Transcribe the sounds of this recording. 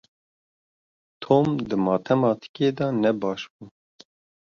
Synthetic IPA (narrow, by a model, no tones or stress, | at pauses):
t̪ʰoːmd̪ɨmɑːt̪ʰɛmɑːt̪ʰɨ̥keːd̪ɑnɛbɑːʃbuː